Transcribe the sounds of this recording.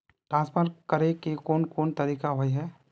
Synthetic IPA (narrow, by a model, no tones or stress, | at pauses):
ʈɾãːnspʰəɾkəɾekekoːnkoːnt̪ɐɾiːkaɦoiɦɛː